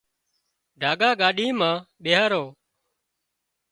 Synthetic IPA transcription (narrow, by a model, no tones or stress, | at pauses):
ɖʱaːɡaːɠaːɗiːmãːɓeːɦaːɾoː